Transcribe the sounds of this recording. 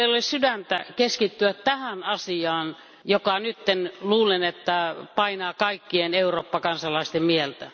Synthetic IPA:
eilolissydænt̪ækeskit̪ːyætt̪æhænɑsiɑːn | jokɑnyt̪ːenluːlenet̪ːæpɑinɑːkɑikːieneuroːpːɑkɑnsɑlɑist̪emmielt̪æ

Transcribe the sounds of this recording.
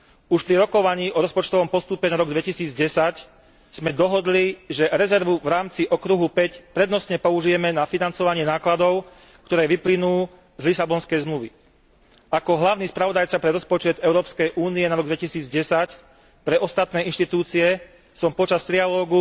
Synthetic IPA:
uʃpɾiɾɔkɔʋaɲiːʔɔɾɔspɔt͡ʃt̪ɔʋɔmpɔst̪upɛnaɾɔɡd̪ʋɛcisiːd͡zɟɛsac | z̥mɛd̪ɔɦɔd̪liʒɛɾɛzɛɾʋuvɾaːmt͡siʔɔkɾuɦupɛcpɾɛd̪nɔsɲɛpɔuʒijɛmɛnafinant͡sɔʋaɲɪɛnaːklad̪ɔʊ | kt̪ɔɾɛːʋiplinuː | zlisabɔnskɛjzmluʋi | akɔɦlaʊniːspɾaʋɔd̪ajt͡sapɾɛɾɔspɔt͡ʃɛd̪ɛʊɾɔːpskɛjʔuːniɛnaɾɔɡd̪ʋɛcisiːd͡zɟɛsac | pɾɛʔɔst̪at̪nɛːinʃt̪it̪uːt͡siɛ | sɔmpɔt͡ʃast̪ɾialɔːɡu

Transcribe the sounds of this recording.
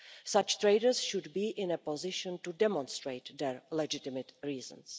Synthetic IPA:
sat͡ʃt̪ɹeɪdəɹsʃʊdbiːʔɪ̃nɛpozɪʃɔ̃ntudɛmɔ̃nst̪ɹeɪt̪d̪ɛɹlɛd͡ʒɪt̪ɪmət̪ɹiːzə̰̃ns

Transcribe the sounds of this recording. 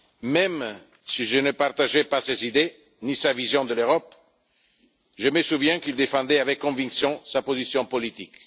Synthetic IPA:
mɛm | siʒənəpaʁt̪aʒɛpasezid̪e | nisavizjɔ̃d̪əløʁɔp | ʒəməsuvjɛ̃kild̪efɑ̃d̪ɛavɛkːɔ̃vĩŋksjɔ̃sapozisjɔ̃polit̪ik

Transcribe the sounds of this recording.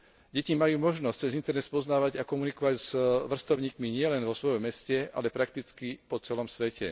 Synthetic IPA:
ɟɛcimajuːmɔʒnɔst͡sɛzint̪ɛɾnɛt̪spɔznaːʋaɟakɔmunikɔʋaɟz̥ʋr̩st̪ɔʊɲiːkmiɲɪɛlɛnʋɔsʋɔjɔmːɛscɛa̰lɛpɾak̚t̪it͡skipɔt͡sɛlɔmsʋɛcʰɛ̰

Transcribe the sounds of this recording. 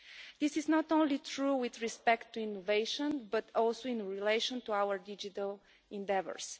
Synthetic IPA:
d̪̥isɪznɔt̪õnlitʰɹuwɪðɹispɛkt̪ːuinːoveɪʃə̃nbɐt̪ʰɔlˠsoĩnɹileɪʃɔ̃nt̪uawəɹd̪id͡ʒit̪əlˠ | ɛ̃ndɛvə̰ɹs

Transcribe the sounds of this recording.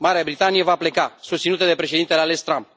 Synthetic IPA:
maɾeabɾit̪anije̞vaple̞kasust̪sinut̪əd̪e̞pɾe̞ʃ̬ed̪int̪eleale̞st̪ɾamp̚

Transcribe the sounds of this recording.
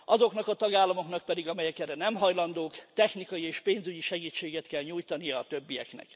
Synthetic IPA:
ɒzo̞knɒkɒt̪ɒɡaːlːɒmo̞knɒk̚pɛd̪iɡɒmɛjɛkɛrɛnɛmɦɒjlɒnd̪oːkt̪ɛxnikɒjieːʃpeːnzyɟiʃɛɡiːt͡ʃːeːɡɛt̪kɛlɲuːjt̪ɒnijɒːt̪øbːijɛ̰knɛ̰k

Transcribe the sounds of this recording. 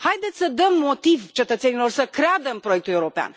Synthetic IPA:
hajd̪e̞t̪sʲsəd̪əmːo̞t̪ivt͡ʃe̞t̪ət̪se̞nilo̞rsəkɾead̪əmpɾo̞jekt̪uleuɾo̞pea̰n

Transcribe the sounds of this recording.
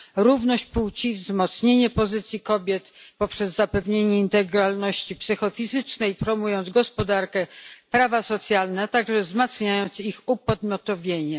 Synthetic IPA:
ɾuvnɔɕt͡ɕput͡ɕivzmɔt̪sɲeɲɛpɔzɘt̪sʲjikɔbʲjɛt̪pɔpʂɛzːapɛvɲeɲɛint̪ɛɡɾalnɔɕt͡ɕipsɘxɔfʲizɘt͡ʂnɛjpɾɔmujɔnd̪zɡɔspɔd̪aɾkɛpɾavasɔt̪sʲjalnɛt̪aɡʐɛvzmat̪sɲajɔnt̪sixupɔd̪mʲjɔt̪ɔvʲjeɲɛ

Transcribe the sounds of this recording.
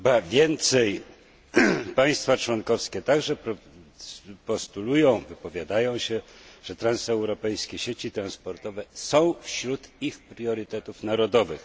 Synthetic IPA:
xbavʲjɛnt̪sɛj | paj̃st̪fat͡ʂwɔnkɔfskʲɛt̪aɡʐɛpɾɔ | pɔst̪ulujɔ̃w̃vɘpɔvʲjad̪ajɔ̃w̃ɕɛʐ̥ɛt̪ɾansɛwɾɔpɛjskʲeɕet͡ɕit̪ɾanspɔɾt̪ɔvɛsɔ̃w̃fɕɾut̪ixpɾjɔɾɘt̪ɛt̪ufnaɾɔd̪ɔvɘx

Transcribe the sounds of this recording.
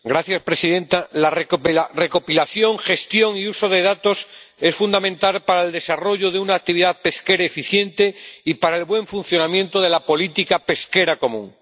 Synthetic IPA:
ɡɾaθjaspɾe̞siðe̞nt̪alarere̞ko̞pilaθjo̞ŋxe̞st̪jo̞ŋiuso̞ð̞e̞ð̞at̪o̞se̞sfund̪amẽnt̪alpaɾaeld̪e̞saro̞ʝoðeunaːk̚t̪iβiðaðpe̞ske̞ɾaefiθje̞nt̪e̞ipaɾaelβwe̞ɱfun̟θjo̞namjẽ̞nt̪oð̞e̞lapo̞lit̪ikape̞ske̞ɾako̞mũŋ

